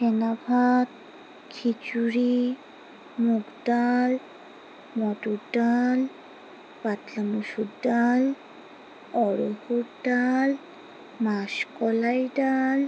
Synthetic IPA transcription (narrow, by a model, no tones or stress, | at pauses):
ʃenabʱat̪ | kʰit͡ɕuɾi | muɡɖal | mɔʈuɖal | pat̪lamuʃuɖal | ɔɾohuɾɖal | maʃkɔlajɖal